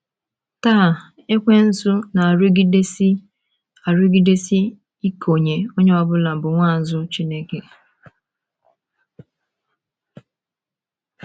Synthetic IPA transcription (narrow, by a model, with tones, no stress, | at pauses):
taː˦˨ | e˦kʷe˦n̩˦sʊ˦na˨ɾʊ˦ɡi˦de˦si˦ | a˨ɾʊ˦ɡi˦de˦si˦ | i˦kʰo˨ɲe˨o˦ɲe˦ɔ˦bʊ˦la˨bʊ˨ŋʷa˦˨zʊ˦t͡ʃi˦ne˦ke˨